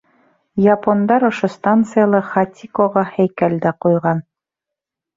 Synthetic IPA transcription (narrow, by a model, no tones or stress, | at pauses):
japond̪ɑɾŏʃost̪ant̪sɨjalˠɑχat̪ʲʰikoʁɑhæjkælʲd̪æqujʁɑn